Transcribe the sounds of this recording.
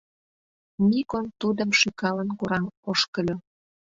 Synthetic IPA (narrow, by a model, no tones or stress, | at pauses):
mikont̪ud̪ə̆mʃykɑlənkuɾɑmoʃkə̆lʲo